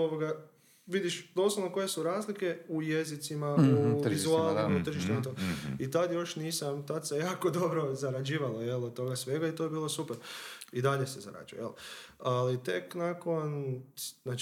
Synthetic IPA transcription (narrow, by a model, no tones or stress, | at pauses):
oʋoɡa | ʋid̪iʃd̪oslˠoʋno̞ko̞je̞suɾaːzlike̞uje̞zit̪simauʋizuaːlˠnimaut̪r̩ʒiʃt̪umat̪oit̪ad̪jo̞ʃniːsamt̪ad̪sejaːko̞d̪o̞bɾo̞zaɾad͡ʒiːʋaloje̞lod̪̚t̪o̞ɡasʋe̞ɡait̪o̞jebiːlo̞supeɾid̪aʎe̞se̞za̰ɾa̰d͡ʒṵj̰jelalit̪e̞knako̞n | naːt͡ʃ